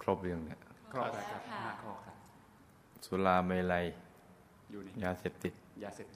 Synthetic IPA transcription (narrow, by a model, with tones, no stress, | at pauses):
kʰɾo˦˥˩p̚lɯ˧əŋni˧˥˩ə˧˥˧ | a˧˩kʰɔ˧˩˧ | su˧laː˧me˧la˧j | jaː˧seː˨˩p̚t̪i˨˩t̪̚aː˧˨˩